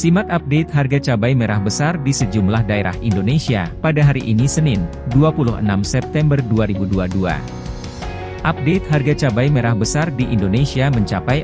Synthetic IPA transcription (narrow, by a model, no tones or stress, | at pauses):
simat̪̚ap̚det̪̚ɦarɡat͡ʃabajmeɾahbəsardisəd͡ʒumlahdaeɾa̰hindonesia̰padaɦaɾiʔinisənɪn | duapuluhə̰namsɛp̚t̪ɛmbərduaɾibuduadua̰ | ʔap̚det̪̚ɦarɡat͡ʃabajmeɾahbəsardiʔindonesiaməɲt͡ʃapaj